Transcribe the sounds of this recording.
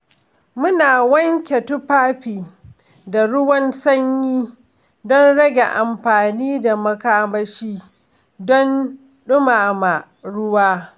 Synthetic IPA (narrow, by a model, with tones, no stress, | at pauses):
mʊ˦naː˨wɐ˦ŋkʲe˨tʊ˦ɸaː˦ɸiː˨ | da˨ɽʊ˦wɐ˦nsɐ˦ɲjiː˦ | dɔ˦nɽɐ˦ɡʲe˨ʔa˨mɸaː˨niː˦da˨mɐ˦kaː˦mɐ˦ʃiː˦ | dɔ˦n | ɗʊ˦maː˨ma˨ | ɽʊ˦waː˦